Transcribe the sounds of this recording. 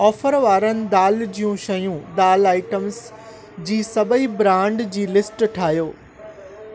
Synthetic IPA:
ɔːfəɾʋaːɾənɪ̆d̪aːld͡ʑijũʃɐjũd̪aːlaːɪʈəmz | d͡ʑiːsɐbʱəibɾãːɳɖd͡ʑiːlɪsʈʈʰaːɦjoː

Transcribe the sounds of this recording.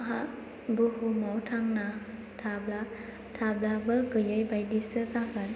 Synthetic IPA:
ɦa | buhumawtʰaŋna | tʰabla | tʰablabɯɡɯjɯjbajdisɯsakɯn

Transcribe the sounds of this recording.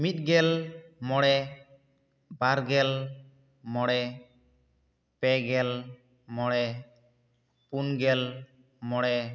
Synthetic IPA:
mit̪̚ˀɡɛlmɔɽɛ | baɾɡɛl | mɔɽɛ | pɛɡɛl | mɔɽɛ | punɡɛl | mɔɽɛ

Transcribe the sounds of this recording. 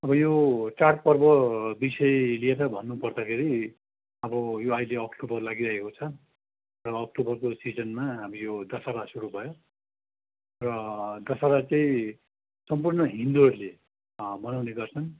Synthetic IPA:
ʌbʌjot͡sarʈ̚pʌrbʌbisʌjelieɾʌbʱʌnːupʌrd̪akʰeɾi | ʌbʌjoajleʌkʈobʌrlaɡiɾaekot͡sʰʌ | rʌːk̚ʈobʌrkosid͡zʌnmaɦamijod̪ʌsaɾasuɾubʱʌjo | rʌd̪ʌsaɾat͡saĩ | sʌmpurnʌɦind̪uʌrle | bʌnawneɡʌrt͡sʰʌn

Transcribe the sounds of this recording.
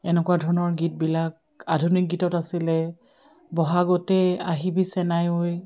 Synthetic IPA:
ɛnɛkwadʱɔɹnɔɹɡit̚bilak̚ | adʱunik̚ɡitɔtasilɛ | bɔɦaɡɔtɛaɦibisɛnajoj

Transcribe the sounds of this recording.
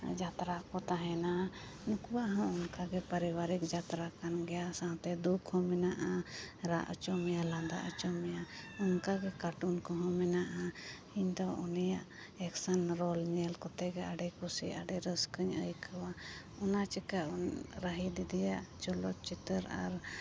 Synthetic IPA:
d͡ʒat̪ɾaʔkɔt̪aɦɛna | nukbaʔɦɔ̃unkaɡɛpəɾiwaɾikd͡ʒat̪ɾakanɡɛjasãwt̪ɛd̪ukʰhɔ̃mɛnaʔaɾa̰ʔə̰t͡ʃɔmɛjalãnd̪a̰ʔət͡ʃɔmɛjaunkaɡɛkaʈunkɔɦɔ̃mɛnaʔa | iɲd̪ɔunijaʔ | ɛksanɾɔlɲɛlkɔt̪ɛɡɛaɖɛkusia̰ɖɛɾəskəɲə̰jkʰəwa | ɔnat͡ʃikaʔunɾəɦid̪id̪ijaʔt͡ʃɔlɔt͡ʃit̪əɾa̰ɾ

